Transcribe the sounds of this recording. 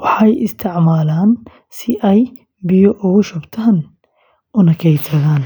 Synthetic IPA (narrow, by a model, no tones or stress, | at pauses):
wɑħɑjɪst̪ʰɪʕmaːlaːn | sɪʔɛj | bɪjɔʔʊɣʊʃʊbt̪ʰaːn | ʔʊnɐkʰɛjsɐðaːn